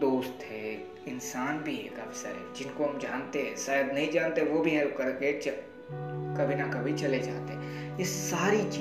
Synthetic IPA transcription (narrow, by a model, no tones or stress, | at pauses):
oːst̪ɦɛː | ɪnsaːnbʱiḛːkɐfsə̰ɾɦɛ̰ːd͡ʒɪnkoɦɐmd͡ʒaːnt̪eɦɛ̃saːjəd̪nɐɦĩd͡ʒaːnt̪eɛ̃ʋobʱiɦɛlpkɐɾket͡ʃ | kɐbʱinɐkɐbʱit͡ʃɐled͡ʒa̰ːt̪eɦɛ̃ | jesaːɾit͡ʃi